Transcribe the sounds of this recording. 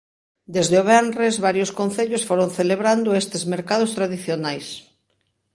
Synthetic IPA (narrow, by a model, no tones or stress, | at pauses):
d̪ezðeoβ̞ɛnrezβaɾjoskon̟θeʎosfoɾonθeleβɾand̪ʊest̪ezmeɾkað̞ʊst̪ɾaðiθjonajs